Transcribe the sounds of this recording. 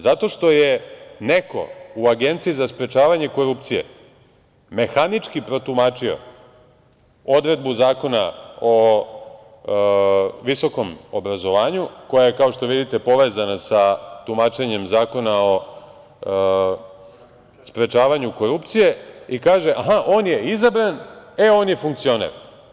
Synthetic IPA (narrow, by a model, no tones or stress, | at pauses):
zat̪o̞ʃt̪o̞jene̞ko̞̰uaɡe̞nt̪siizaspɾe̞t͡ʃaːʋaɲe̞ko̞ɾup̚t̪sije̞̰ | me̞xanit͡ʂkipɾo̞t̪umaːt͡ʃio̞̰ | o̞d̪ɾe̞d̪̚buzaːko̞nao | ʋiso̞ko̞mobɾazo̞ʋaːɲuko̞jajekao̞ʃt̪o̞ʋid̪it̪e̞po̞ʋe̞ːzanasat̪umat͡ʃe̞ɲe̞mzaːko̞nao̞ | spɾe̞t͡ʃaːʋaɲuko̞ɾupt̪sije̞ikaːʒeʔaɦaʔo̞ːnje̞izabɾaneoːnje̞fuŋk̚t̪sionḛɾ